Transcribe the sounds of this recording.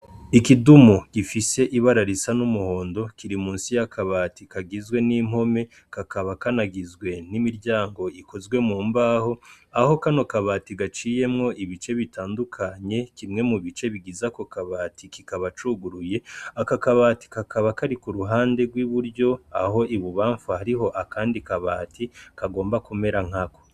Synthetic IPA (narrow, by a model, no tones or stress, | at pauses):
ikidumuɡ̥ifise̞ʔiβaɾaɾisanumuho̞ːndo̞kiɾimuːnsijakʰaβaːtikaɡizɡwe̞nim̥ho̞me̞ | kakaβakanaɡizɡwe̞nimiɾɟaːŋɡo̞iko̞zɡwe̞muːmbaːho̞aho̞kano̞kaβaːtiɡat͡ʃije̞mŋo̞ʔiβit͡ʃeβitʰaːndukʰaɲe̞kimŋe̞muβit͡ʃe̞βiɡizako̞kaβaːtikikaβat͡ʃuɡuɾuje̞akakaβaːti̥kakʰaβakaɾikuɾuɦaːnde̞ɡwiːβuɾɟo̞aɦo̞ʔiβuβaːɱfuhaɾiɦo̞ʔakʰaːndikaβaːtikaɡo̞ːmbakume̞ɾaŋ̥hako